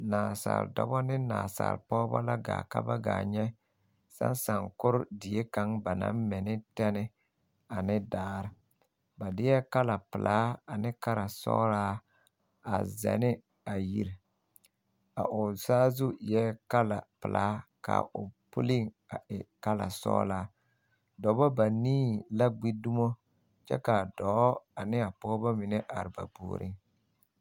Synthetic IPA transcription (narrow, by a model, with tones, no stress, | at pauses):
naː˨sa̰ː˨ldɔ̰˦bɔ˦nɪ˦naː˨sa̰˨lpɔː˦ba˦la˦ɡa̰ː˨ka̰˦ba˦ɡaː˨ɲɛ˦ | sa̰˦nsa˨ŋkʊ˦ɾʊ˦dɪ˨je˦ka˨˦ŋba˨na̰˦mmɪ˨nɪ˦tɛ˦nɪ˦ | a˨nɪ˦daː˦ɾɪ˦˨ | ba˨dɪ˦jɛ˦ka˦la˨pɪ˨lʔaː˨˦a˨nɪ˦ka˦ɾa˨sɔ̰˦ɾaː˦ | a˨zɛ̰˨nɪ˦ | a˨ji˦ɾ | a̰˨ʔʊ˨saː˦zʊ˦jɛ˦ka˦la̰˨pɪ˨lʔaː˨˦ka̰˨ʔʊ˨pʊ̰˦li˦ŋ | a˨ʔɪ˨ka˦la̰˨sɔ̰ː˦la˦ | dɔ˨˦ba˦ba˨niː˦la˦ɡ͡bi˦du˦mo˦ | t͡ʃɛ̰˦ka˨dɔ˨˦a˨nɪ˦a˨pɔ˦ba˦mɪ˨nɛ˦ʔa˨ɾɪ˨ba̰˨bṵː˨ɾʔɪ̰˦